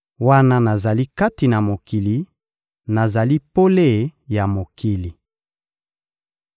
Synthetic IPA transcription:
wa˦na˦na˨za˨li˦ka˦ti˨na˨mo˨ki˨li˨ | na˨za˨li˦po˦le˦˨ja˨mo˨ki˨li˨

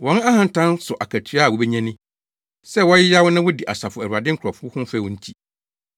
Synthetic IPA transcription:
wɔ̃˨˦n˦a˦hã˨n̩˨tʰã˦nsʊ˨ʔa˨kʰæ˨tʰɥa˦˨wɔ˨bɛ˦ɲɛ̃˦nɪ̃˦ | sɛ˦wɔ˦jɪ˦ja˦wʊ˦nã˦wʊ˦di˨ʔa̰˨sa˨fʊ˨æ˨ɾu˨a˨dɪ̃˦ŋ̩˦kʰɾɔ˨fʊ˦hʊ̃˦m̩˦fɛ˦˨wʊ̃˦ɲ̩˦tʰi˨

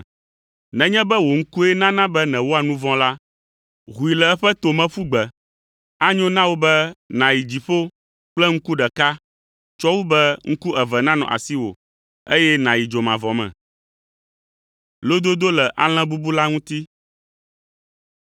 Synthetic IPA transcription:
nɛ̃˨ɲɛ̃˦bɛ˦wo˨ŋ̩˦ku˦ɛ˦nã˦nã˦bɛ˦nɛ̃˨wo˦a˨nũ˦vɔ̃˦la˦ | ɣu˨i˨lɛ˨ɛ˦ɸɛ˦t̪o˨mɛ̃˦fu˦ɡ͡bɛ˨ | a˦ɲɔ̃˦nã˦wo˦bɛ˦nã˨ji˨d͡ʑi˨ɸo˦ | k͡plɛ˦ŋ̩˦ku˦ɖɛ˨ka˦ | t͡ʃɔ˦wu˦bɛ˦ŋ̩˦ku˦ʔɛ˨vɛ˨nã˦nɔ̰̃˨ʔa̰˨si˦wo̰˨ | e˦jɛ˦nã˨ji˨d͡ʒo˨mã˨vɔ˨mɛ̰̃˨ | lo˦d̪o˦d̪o˦lɛ˨ʔa̰˦l̃ɛ̃˦bu˦bu˦la˦ŋũ˦t̪i˦

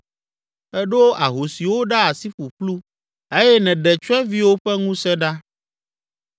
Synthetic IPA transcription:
ɛ˦ɖo˦ʔa˨ɦo˨si˨wo˦ɖa˦a˨si˦ɸu˨ɸlu˦ | e˦jɛ˦nɛ̃˨ɖɛ˨t͡ʃu˦ɛ̃˦vi˦wo˦ɸɛ˦ŋũ˦sɛ̃˦ɖa˦

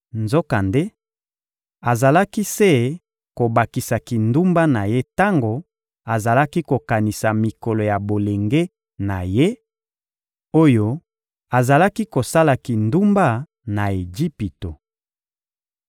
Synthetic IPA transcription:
nzo˦ka˨nde˦ | a˨za˨la˦ki˦se˦ | ko˨ba˨ki˨sa˨ki˨ndu˦mba˦na˨je˦ta˦ŋɡo˨ | a˨za˨la˦ki˦ko˨ka˨ni˨sa˨mi˨ko˨lo˨ja˨bo˨le˨ŋɡe˦ | na˨je˦ | o˦jo˦ | a˨za˨la˦ki˦ko˨sa˦la˨ki˨ndu˦mba˦ | na˨e˨d͡ʒi˦pi˨to˨

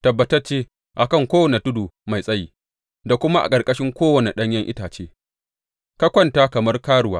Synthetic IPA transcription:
tɐ˨bːɐ˦tɐ˦rt͡ʃeː˦ | ʔa˨kɐ˦ŋkʷoː˦wɐ˨ne˨tʊ˦duː˨ma˨jsʼɐ˦jiː˦ | da˨kʷʊ˦ma˦ʔa̰˨kʼɐ˨rkʼɐ˦ʃɪ˦ŋkʷoː˦wɐ˨ne˨ɗɐ˦ɲjɐ˦ŋʔɪ̰˦taː˨t͡ʃeː˦ | ka˦kʷɔ˦˨nta˦kɐ˨mɐ˦rkaː˦ɽʊ˨wa̰ː˦

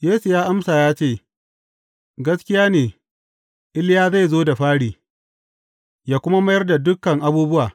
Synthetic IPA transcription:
jeː˦su˨jaː˦ʔa˦msaː˨jaː˦t͡ʃeː˦˨ | ɡɐ˦skʲɪ˦jaː˦neː˨ | ʔɪ˦ljaː˦za˦˨jzoː˦da˨ɸaː˦ɽiː˨ | jaː˦kʷʊ˦ma˦ma˦jɐ˦rda˨dʊ˦kːɐ˨ŋʔa˦buː˦bʊ˦waː˨

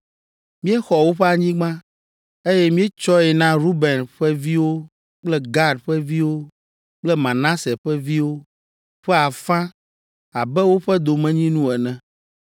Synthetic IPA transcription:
mĩ˦ɛ˦xɔ˨wo˦ɸɛ˦a˨ɲĩ˦ɡ͡bã˦ | e˦jɛ˦mĩ˦ɛ˦t͡ʃɔ˦ɛ˨nã˦ɾu˦bɛ˨nɸɛ˦vi˦wo˦ | k͡plɛ˦ɡa˦ɖɸɛ˦vi˦wo˦ | k͡plɛ˦mã˨nã˦sɛ˨ɸɛ˦vi˦wo˦ | ɸɛ˦a˨fã˦ | a˨bɛ˦wo˦ɸɛ˦d̪o˨mɛ̃˦ɲĩ˦nũ˦ɛ˨nɛ̃˨

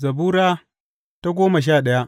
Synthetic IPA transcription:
zɐ˨buː˦ɾaː˦ | ta˦ɡʷoː˦ma˨ʃ̬aː˦˨ɗɐ˦ja˦ʔ

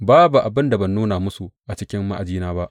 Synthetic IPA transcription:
baː˦bu˨ʔa˨bɪ˦nda˨bɐ˨nːuː˦na˨mʊ˦su˨ʔa˨t͡ʃɪ˦kʲɪ˦mːa̰˦ʔa̰˨d͡ʒiː˦naː˦ba˦ʔ

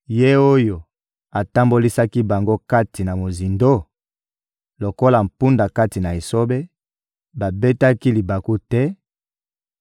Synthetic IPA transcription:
je˦o˦jo˨ | a˨ta˦mbo˦li˦sa˦ki˦ba˨ŋɡo˦ka˦ti˨na˨mo˨zi˨ndo˦ | lo˨ko˦la˨m̩˨pu˦nda˨ka˦ti˨na˨e˨so˦be˦ | ba˨be˦ta˦ki˦li˨ba˨ku˦tɛ˦

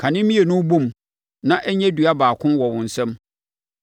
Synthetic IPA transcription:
kʰã˨nɪ̃˦mĩ˦e˨nʊ̃˦bõ˦˨m | nã˦ʔæ˦ɲɛ̃˦dɥa˦baː˨kʰʊ̃˦mwɔ˨wʊ̃˨n̩˨sɛ̃˦m

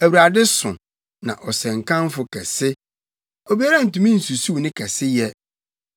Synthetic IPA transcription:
æ˨wu˨ɾa˨dɪ˦sʊ̃˨ | nã̰˨ʔɔ˨sɛ̃˨ŋkʰã˦nfʊ˨kʰɛ˨sɪ˦ | o˨bi˦a˦ɾa˦n̩˨tũ˨mĩ˦n̩˨su˨su˦˨nɪ̃˦kʰɛ˨sɪ˦jɛ˦

